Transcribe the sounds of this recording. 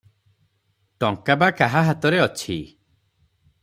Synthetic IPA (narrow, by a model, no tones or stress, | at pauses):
ʈɔŋkabakaɦaɦat̪ɔɾeɔt͡ʃʰḭ